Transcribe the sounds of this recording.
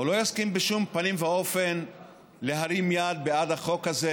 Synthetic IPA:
ulo̞jaskimbeʃumpanimveo̞fen | le̞ɦaɾimjad̪̚bead̪haχo̞khaze

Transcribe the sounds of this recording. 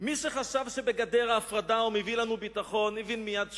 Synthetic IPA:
miʃeχaʃavʃebeɡad̪eʁaːfʁad̪aomevilanubit̪aχo̞nːevinmijad

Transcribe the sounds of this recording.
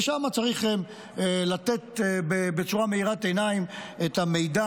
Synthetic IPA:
ʃamat͡saʁiχem | elat̪e̞t̪bebet͡suʁame̞iʁat̪enaimetame̞jda

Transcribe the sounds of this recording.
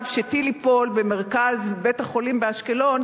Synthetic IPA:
vʃetilipo̞lbeme̞ʁkazbethaχo̞limbeaʃke̞lo̞n

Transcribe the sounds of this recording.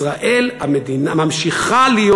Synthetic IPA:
ʁaʔe̞lamed̪inamamʃiχalijo

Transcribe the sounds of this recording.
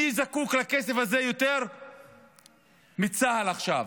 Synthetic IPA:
izakuklakesefazejo̞t̪e̞ʁ | mit͡sahalaχʃav

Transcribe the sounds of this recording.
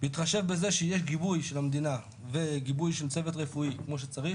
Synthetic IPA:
veit̪χaʃe̞vbezeʃejeʃ̬ɡibujʃelamd̪ina | veɡibujʃelt͡sevet̪̬ʁefuikmo̞ʃet͡saʁiχ

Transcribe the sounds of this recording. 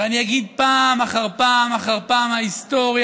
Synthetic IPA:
eaniaɡid̪̚paːmaχaʁpamaχaʁpaːmhaist̪o̞ʁj

